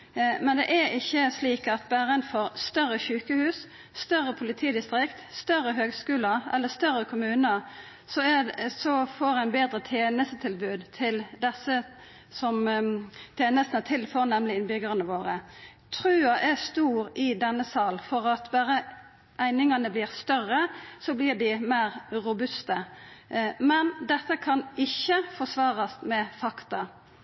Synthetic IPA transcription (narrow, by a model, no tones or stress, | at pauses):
mɛnd̪ɛ̰ʔæɪçːəsliːkɑt̪bæːʁənfɔʁst̪œrːəçʉːkəhʉːs | st̪œɾːəpʰʊlɪt̪ʰiːd̪ɪst̪ɾɪkt̪st̪œrːəɦøːɡskʉːlɑɾɛ̰lːəst̪œrːəkʰʊmʉːnə | sɔɛsɔfoːɾæɪnbeːd̪ɾət̪ʰeːnəst̪ət̪ʰɪlbʉːd̪t̪ʰɪld̪ɛsːə | sɔm | t̪ʰeːnəst̪nət̪ʰɪlːfoʁnɛmlɪɪnbʏɡʁənəʋoːʁə | t̪ʰɾʉːɑʔæst̪uːɾɪd̪ɛnːəsɑːlfɔʁɑt̪bæːɾə | ʔæɪnɪŋɑnəblɪːʁst̪œrəsɔblɪːʁd̪ɪmæɪʁɾʊbʉst̪ə | mɛnd̪ɛt̪ːəkʰɑnɪçːəfɔʂʋɑːʁɑsmɛfɑkt̪ɑ